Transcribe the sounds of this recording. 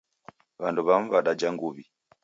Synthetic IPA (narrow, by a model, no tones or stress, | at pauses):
βanduβam̩βaɗad͡ʒaŋɡuβi